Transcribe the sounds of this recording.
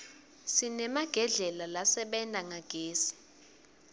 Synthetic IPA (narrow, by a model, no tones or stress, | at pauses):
sinɛmaɡ̥ʱɛɮɛlalasɛɓɛndʼaŋaɡ̥ʱeːsi̥